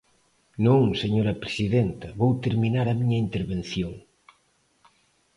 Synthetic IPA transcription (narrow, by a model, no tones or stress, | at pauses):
nõŋseɲoɾɐpɾesiðent̪ɐβowt̪eɾminaɾɐmiɲɐint̪eɾβenθjoŋ